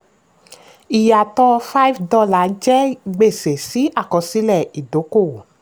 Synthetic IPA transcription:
i˨ja˨tɔ˧fa˦i˦fdɔ˧la˨˦d͡ʒɛ˦ɡ͡be˦˨se˨si˨˦a˦˨kɔ˨˧si˦lɛ˦˨i˨do˨˦ko˦˨

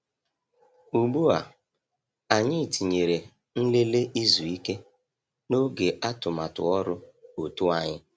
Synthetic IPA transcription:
u˨ɡ͡bu˦a˨ | a˨ɲɪ˦˨ti˨ɲe˨ɾe˨ | n̩˦le˦le˦ʔi˦zu˨i˦ke˦ | no˦ɡe˨ʔa˦tʊ˨ma˨tʊ̰˨ɔ˦ɾʊ˦o˨tu˦a˨ɲɪ˦

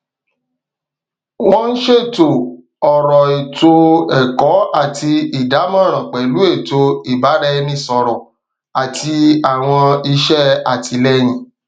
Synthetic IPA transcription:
wɔ̃˦n̩˦ʃe˦˨to˨ | ɔ˨ɾɔ˨e˨to˧ɛ˨kɔ˨˦a˦˨tʰi˧i˨da˨˦mã˦˨ɾ̃ã˨k͡pɛ˨lu˨˦e˦˨to˧i˨ba˨˦ɾɛ˧nĩ˦˨sɔ˨ɾɔ˨ | a˨tʰi˧a˨w̃ɔ̃˧i˧ʃɛ˦a˨tʰi˧lɛ˧˦j̃ĩ˨

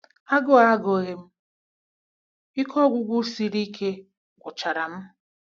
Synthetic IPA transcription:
a˦ɡʊ˦a˦ɡo˨ɣe˨m̩˦ | i˦kʰɔ˦ɡʷʊ˨ɡʷu˦si˨ɾi˦kʰe˦ | ɡʷʊ˨t͡ʃa˨ɾa˨m̩˦

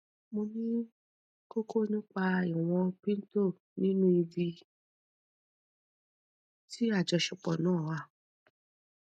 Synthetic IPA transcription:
mo˧nĩ˦ | ko˦kʰo˦˨˧nĩ˦k͡pa˧i˨w̃ɔ̃˧pĩ˦n̩˦to˦˨ | nĩ˦nũ˦i˧vi˧ | ti˦a˦˨d͡ʒɔ˧ʃɔ˨k͡pɔ˨nãː˦˨wa˦˨

